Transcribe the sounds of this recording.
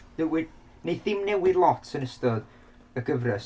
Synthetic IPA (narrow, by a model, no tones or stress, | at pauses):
ðɛwɪd | neθɪmnɛwɪdlˠɔtsənəstɔð | əɡəvrɛs